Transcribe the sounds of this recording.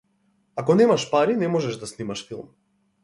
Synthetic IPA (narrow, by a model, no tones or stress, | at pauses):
akɔnɛmaʃpaɾinɛmɔʒɛʒd̪asnimaʃfilˠm